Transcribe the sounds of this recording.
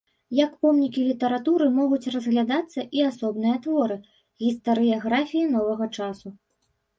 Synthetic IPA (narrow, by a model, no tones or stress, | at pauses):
jɐkpɔmnʲikʲilʲit̪ɐɾat̪uɾɨmɔɣut͡sʲrɐzɣlʲad̪at̪sːɐʔiasɔbnɨjɐt̪vɔɾɨ | ɣʲist̪ɐɾɨjaɣɾafʲijin̪ɔvɐɣɐt͡ʂasu